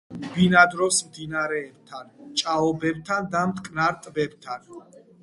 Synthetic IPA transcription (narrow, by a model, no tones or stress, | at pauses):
binad̪ɾɔsmd̪inaɾɛːb̚t̪ʰant͡ʃʼaɔbɛbt̪ʰand̪amt̪ʼkʼnaɾt̪ʼbɛbt̪ʰan